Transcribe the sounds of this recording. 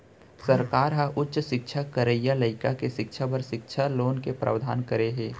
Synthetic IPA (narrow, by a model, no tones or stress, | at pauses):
səɾkaːɾɦaʔʊtːʃʃɪkʃʰakəɾejaləɪkakeʃɪkʃʰapəɾʃɪkʃʰaloːnkepɾa̰ːʋd̪ʱa̰ːnkəɾeɦeː